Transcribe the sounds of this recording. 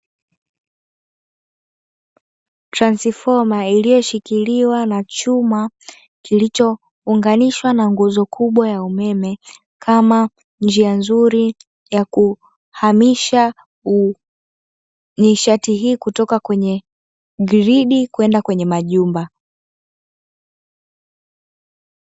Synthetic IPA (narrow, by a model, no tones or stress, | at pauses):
tɾansifɔmailijɔʃikiliwanat͡ʃuma | kilit͡ʃɔ | uŋɡaniʃwanaŋɡuzɔkʰuɓwajaumɛmɛ | kʰama | nd͡ʒianzuɾi | jaku | hamiʃa | u | niʃatiɦiːkutɔkakwɛɲɛ | ɡɾiɗikuɛndakwɛɲɛmaʄumba